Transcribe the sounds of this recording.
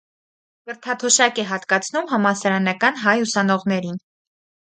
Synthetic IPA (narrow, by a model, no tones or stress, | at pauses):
kəɾt̪ʰɑt̪ʰɔʃɑkɛɦɑt̪kɑt͡sʰnumɦɑmɑsɑɾɑnɑkɑnɦɑjusɑnɔʁnɛɾin